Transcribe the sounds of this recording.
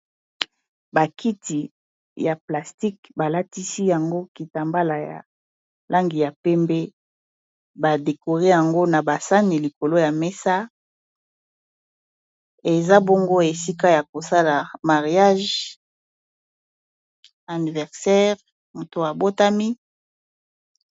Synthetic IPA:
ba˨kʰi˦ti˨ | ja˨pla˨sti˦k̚ba˨la˦ti˦si˦ja˨ŋɡo˦ki˨ta˨mba˦la˨ja̰˨ | lʔa˦ŋɡi˨ja˨pɛ˦mbe˦ | ba˨de˨ko˨ʁe˦ja˨ŋɡo˦na˨ba˨sa˦ni˨li˨ko˨lo˦ja˨me˦sa˦ | e˨za˦bo˦ŋɡo˦e˨si˦ka˦ja˨ko˨sa˦la˨ma˨ʁi˨a˦ʒ | a˨ni˨vɛ˨ʁsɛ˦ʁ | mo˨to˨a˨bo˦ta˦mi˦

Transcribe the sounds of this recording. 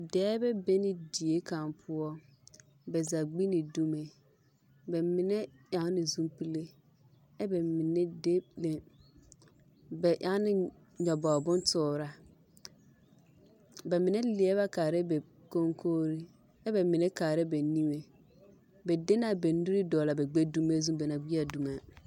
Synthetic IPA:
dɛː˦bɛ˦be˦nɪ˨di˨e˦ka˨mpʰʊ˦ɔ˦ | bɛ˨za˨ɡ͡bi˦nɪ˨du˦me˨ | bɛ˨mɪ˨nɛ˦ja˨˦ŋ˦nɪ˨zũ˦mpi˦le˦ | ɛ˦bɛ˨mɪ˨nɛ˦de˦le˨ | bɛ˨ʔa˦ŋ˦nɪ˨ | ɲɔ˨bɔ˨bʊ̃˦ntʊː˨ɾa˦ | bɛ˨mɪ˨nɛ˦lɪ˨˦ɛ˦βa˦kaː˨ɾɛ˦bɛ˨ | ko˦ŋkʰoː˦ɾi˦ | ɛ˦bɛ˨mɪ˨nɛ˦kaː˨ɾɛ˦be˨ni˦me˦ | bɛ˨de˦na˦be˨ndu˦ɾɪ˦dɔː˨la˨bɛ˨ɡ͡be˦du˦me˦zũ˦bɛ˨na˨ɡi˦a˨du˨ma˨

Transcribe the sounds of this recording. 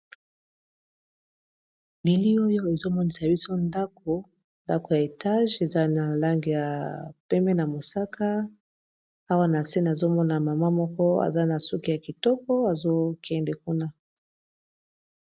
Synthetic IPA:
bi˨li˦o˦jo˦e˨zo˦mɔ˦ni˨sa˨bi˦so˦nda˦k̚o˨ | nda˦ko˨ja˨e˨ta˦ʒe˨za˦na˨la˦ŋɡi˨ja˨pɛ˦mɛ˦na˨mo˨sa˦ka˦ | a˦wa˦na˨se˦n˨zo˦mɔ˦na˨ma˨ma˦mɔ˦kɔ˦a̰˨za˦na˨su˦ki˦˨a˨ki˨tɔ˦kɔ˦a˨zo˦kʰɛ˦ndɛ˨ku˦na˦

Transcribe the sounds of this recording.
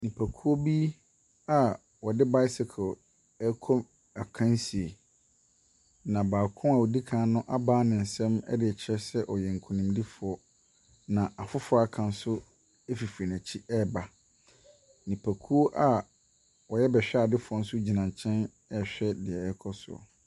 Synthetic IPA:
nĩ˨pʰæ˨kʰu˦o˦bi˦ | a˨ | wɔ˨dɪ˦ba˦ɪ˦sɪ˨kʰɔ˨ | ɛ˦kʰɔ˦m | a˨kʰã˦nsi˨e˨ | nã˨baː˨kʰʊ̃˦ma˨wo˨di˦kʰãː˨˦˨nʊ̃˦ʔa˦baː˦nɪ̃˨n̩˨sɛ̃˦mɛ̰˦dɪ˨ɛ˨t͡ɕʰɛ˦sɛ˦ʔɔ˨jɛ˨ŋ̩˨kʰũ˨nĩ˨mdi˦fʊ˨ɔ˦ | nã˨a˨fʊ˦fʊ˦a˨kʰã˨n̩˦sʊ˦ | e˦fi˨fɾi˨næ˨t͡ɕʰi˦ɛ˦ba˨ | nĩ˨pʰæ˨kʰu˦o˦ʔa˨ | wɔ˨jɛ˦bɛ˨ɕᶣɛ˦a˨dɪ˦fʊ˨˦ɔ˦n̩˦sʊ˦d͡ʑi˨nã˨ɲ˨t͡ɕʰɛ̃˦n | ɛ˦ɕᶣɛ˦dɪ˨ɛ˨ɛ˦kʰɔ˦sʊ̰˨ɔ̰˨

